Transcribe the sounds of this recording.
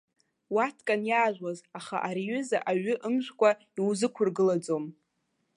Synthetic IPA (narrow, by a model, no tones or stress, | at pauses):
watʰkʼanjaːʒʷᶣwazaχa̰ʔaɾiɥʏza̰ʔaɥʏʔɨmʒʷᶣkʷʼa | iwzɨkʷʰʊrɡɨlad͡zom